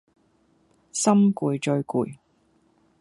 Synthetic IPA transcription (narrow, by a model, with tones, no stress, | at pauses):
sɐ˥mkuː˨˧jt͡ʃɵ˧ɥkṵː˨˧j